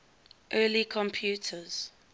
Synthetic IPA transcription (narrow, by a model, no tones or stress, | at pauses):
ʔɜːlikʰɔ̃mpʰjuːˑtʰəz̥